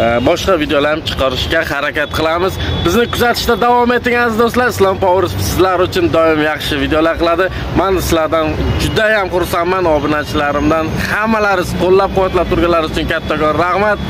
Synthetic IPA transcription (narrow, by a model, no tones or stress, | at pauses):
bɒʃqɑvid̪ejɔlaɾɪt͡ʃʰɨ̥qʰɑɾɪʃkʲahaɾakʲat̪̚qʰɨlˠamɪzbɪznɪkʰʊzat̪ʰɪ̥ʃt̪ad̪avɒme̞t̪ʰːɪŋanɪzd̪oslaɾɪslˠɒmpɒwɾɪssɪzlaɾʊt͡ʃʰʊnd̪ɒɪmjɑχʃɪvid̪ejɔlaɾqɨlˠad̪ɪ | mansɪ̥zlaɾd̪and͡ʒʊd̪ajamqʊɾsamːanɒbɪnat͡ʃʰɪlaɾɪmd̪anhamːalaɾɪzt̪ʰolˠːap̚qʊwat̪lap̚t̪ʰʊɾɡʲanlːaɾʊt͡ʃʰʊnkʲʰat̪ʰːaɡɒɾːahmat̪̚